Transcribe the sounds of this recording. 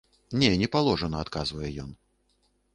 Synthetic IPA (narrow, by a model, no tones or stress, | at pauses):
nʲɛnʲɛpalˠɔʐɐnɐat̪kazvɐjɛjɔn